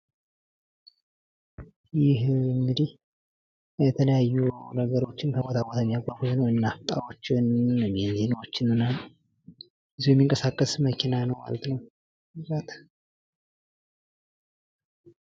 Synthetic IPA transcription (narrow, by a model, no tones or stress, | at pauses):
jɪɦɨŋɡɨd̪ih | jɛt̪ʰələjajːunəɡəɾo̞t͡ʃːɪnk̪ʰəbwot̪ʰawot̪jɛmːijaɡʷʼafut̪nəwɨnːaft̪ʼa̰wot͡ʃːnːəmɛnzenwot͡ʃːɪnɨnal | ɨzujɛmːiŋkʼəsakʼːəsməkʰinanəwma̰lət̪nəw | ɾat̪